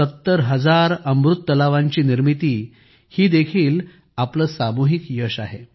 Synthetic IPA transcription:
ət̪ːəɾɦəd͡zaɾəmbɾut̪ːəlaʋaɲt͡ɕiːniɾmit̪iː | hiːd̪ekʰiːl | apləːsamuɦikjəɕaɦe

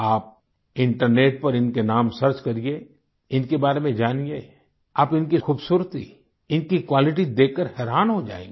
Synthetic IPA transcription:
aːp̚ | ɪ̃ɳʈəɾneːʈ̚pɐɾɪnkenaːmsɐɾt͡ʃkɐɾie | ɪnkebaːɾemẽd͡ʒaːnie | aːpɪnkixuːbsuːɾt̪ḭ | ɪnkikwaːlɪʈ̬id̪eːkːəɾhɛːɾaːnɦod͡ʒa̰ːḛːɡ

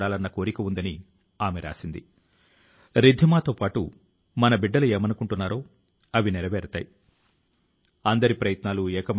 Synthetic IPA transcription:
ɽaːlɐnːɐko̞ːɾikɐund̪ɐni | aːmɛɾʔa̰ːsind̪ḭ | ɾid̪ʱːimaːt̪o̞ːpaːʈṵ | mɐnɐbiɖːɐlueːmɐnukuɳʈunːaːɾo̞ː | ɐʋiniɾɐʋɛːɾt̪a̰ːji | ɐnd̪ɐɾipɾɐjɐt̪naːluɛːkɐmɐ

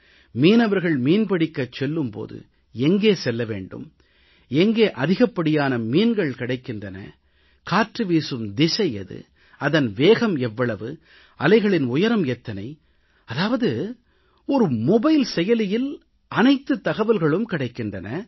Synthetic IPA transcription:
miːnɐʋɐɾɣɐɭmiːnpɐɽɪkːɐt͡ʃːɛlːɯmpo̰ːðɯ̰ | ɛŋɡeːsɛlːɐʋḛːɳɖɯ̰m | ɛŋɡeːʔɐðɪɣɐpːɐɽɪjaːnɐmiːnɡɐɭkɪɽɐɪkːɪndrɐnɐ̰ | kaːʈrɯʋiːsɯmd̪ɪsɐjɐ̰ðɯ̰ | ɐðɐnʋeːɣɐmɛʋːɐɭɐʋɯ | ɐlɐɪɣɐɭɪnʊjɐɾɐmjɛt̪ːɐnɐɪ | ɐðaːʋɐðɯ | ɔɾɯmɔbɐɪlsɛjɐlɪjɪl | ɐnɐɪt̪ːɯt̪ːɐɣɐʋɐlɣɐɭɯmkɪɽɐɪkːɪndɐnɐ

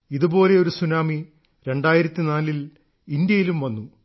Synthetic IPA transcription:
iðubo̞ːle̞o̞ɾusunaːmi | ɾe̞ɳɖaːjiɾɐt̪ːinaːlil | ind̪jɐjilumʋɐnːu

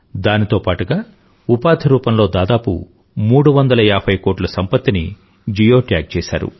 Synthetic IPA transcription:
d̪aːnit̪o̞ːpaːʈuɡaː | upaːd̪ʱʰiɾuːpɐmlo̞ːd̪aːd̪aːpṵ | muːɽuʋɐnd̪ɐlɐjaːbʰɐjkoːʈlɐsɐmpɐt̪ːini | d͡ʒijo̞ːʈaːɡ̚t͡ʃɛːʃa̰ːɾṵ

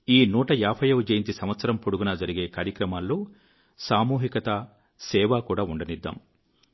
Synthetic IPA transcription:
iːnuːʈɐjaːpʰɐjɐʋud͡ʒɐjint͡ʃ̪isɐmʋɐt̪sɐɾɐmpuɽuɡunɐd͡ʒɐɾiɡe̞ːkaːɾjɐkɾɐmaːlːo̞ː | saːmuːɦikɐt̪ɐ | sɛːʋaːkuːɽaːuɳɖɐnid̪ːa̰ːm

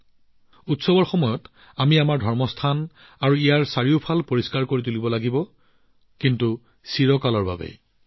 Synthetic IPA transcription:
utsɔbɔɹxɔmɔjɔt | amiamaɹdʱɔɹmɔstʰan | aɹuijaɹsaɹiʊpʰalpoɹiskaɹkoɹitulibɔlaɡibɔ | kintu | siɹɔkalɔɹba̰bɛ̰

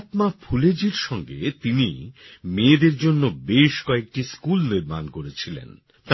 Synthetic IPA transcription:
t̪mapʰuled͡ʑiɾʃɔŋɡḛt̪inimeːd̪eɾd͡ʑonːobeʃkɔek̚ʈiskulniɾma̰nkoɾet͡ɕʰilḛn | t̪

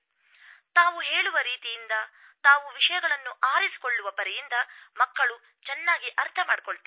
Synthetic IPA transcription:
t̪aːʋuɦe̞ːɭuʋɐɾiːt̪ijind̪ɐ | t̪aːʋuʋiʂɐjɐɡɐɭɐnːuʔaːɾisi̥ko̞ɭːuʋɐpɐɾɛjind̪ɐmɐkːɐɭu | t͡ʃɛnːaːɡiʔɐɾt̪ʰɐmaːɽikɔɭt̪ɐ

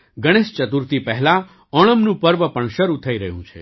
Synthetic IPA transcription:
ɡəɽ̃est͡ʃət̪uɾt̪ipəɦla | ɔɽ̃əmnũpəɾʋəpəɳʃəɾut̪ʰəiɾəɦjũt͡ʃʰḛ

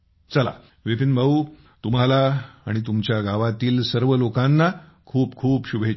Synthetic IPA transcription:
t͡səla̰ | ʋepinbʱau | t̪um̤alaːɽ̃it̪umt͡ɕjaɡʱaʋat̪iːlsəɾʋəlokãnːa | kʰuːpkʰuːpɕubʱe

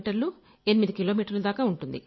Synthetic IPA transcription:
ʈɐɾlu | e̞nimid̪ikilo̞ːmiːʈɐɾlud̪aːkaːuɳʈund̪ḭ

